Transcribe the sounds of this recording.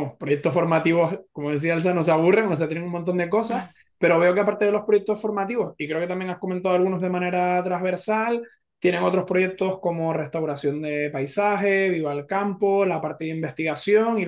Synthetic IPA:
mohpɾo̞je̞k̚t̪o̞sfo̞ɾmat̪iβo̞sko̞moðe̞s̬iaels̬anos̬aβure̞ŋos̬eat̪jeneŋuŋmont̪o̞nd̪e̞ko̞sas | pe̞ɾo̞βe̞o̞keapaɾt̪eðe̞lo̞hpɾo̞jek̚t̪o̞sfo̞ɾmat̪iβo̞sikɾeoket̪amjeŋahkoment̪aðoalɣuno̞zð̞e̞mãne̞ɾat̪ɾazβe̞ɾsal | t̪je̞ne̞ŋo̞t̪ɾo̞spɾo̞je̞k̚t̪o̞sko̞mo̞re̞st̪awɾasjo̞nd̪e̞pajsaxe̞βiβalkampo̞lapaɾt̪e̞ðeimbe̞st̪iɣasjo̞ŋi

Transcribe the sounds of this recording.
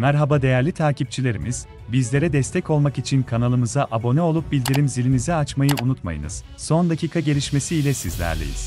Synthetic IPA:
mæɾɦabad̪e̞jæɾlʲit̪ʰaːcip̚t͡ʃʰilʲe̞ɾimiz̥ | bizlʲe̞ɾɛd̪ɛst̪ʰɛco̞lˠmakit͡ʃʰinkʰanalˠɯmɯzaʔabo̞nɛo̞lˠup̚bilʲd̪iɾimzilʲinizɛat͡ʃmajɯunut̪ma̰jɯ̰nɯ̰z̥ | so̞nd̪acʰiːkʰaɟe̞lʲiʃme̞siːlʲɛsizlʲæ̰ɾlʲḛjḭz̥

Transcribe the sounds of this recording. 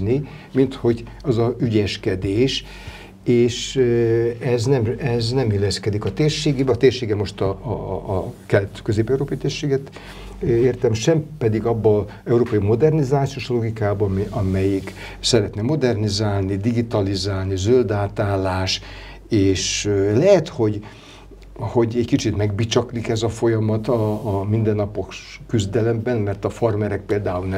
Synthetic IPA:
ni | mint̪ho̞ɟ | ɒzɒyɟɛʃkɛd̪eːʃ | eːʃ | ɛznɛmɛznɛmilːɛskɛd̪ikɒt̪eːrʃeːɡibɛːt̪eːrʃeːɡɛmo̞ʃt̪ɒ | kɛlt̪kø̞zeːpɛwuɾoːpɒjit̪eːrʃeːɡɛt̪ | eːrt̪ɛmʃɛmpɛd̪iɡɒbːɒ | ɛuɾoːpɒjimo̞d̪ɛrnizaːt̪sioʃlo̞ɡikaːbɒmɒmɛjik | sɛɾɛt̪nɛmo̞d̪ɛrnizaːlnid̪iɡit̪ɒlizaːlnizøld̪aːt̪aːlaːʃ | eːʃlɛɦɛt̪ho̞ɟ | ho̞ɟɛɟkit͡ʃit̪mɛɡ̚bit͡ʃɒklikɛzɒfo̞jɒmɒt̪ɒːmind̪ɛnːɒpoʃ | kːyzd̪ɛlɛmbɛnmɛrt̪ɒfɒrmɛɾɛk̚peːld̪aːulnɛ

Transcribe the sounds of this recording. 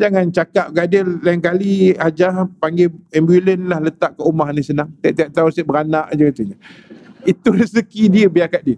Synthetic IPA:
d͡ʒaŋant͡ʃakap̚ɡadəllajiŋkaliad͡ʒahpaŋɡeɛmbulənlahlət̪aʔkːəumaɦnisənaŋt̪iaʔt̪iaʔ̚t̪ausəbəɾanaʔd͡ʒəkit̪uɲəit̪uləsəkidiəbiakat̪̚diə

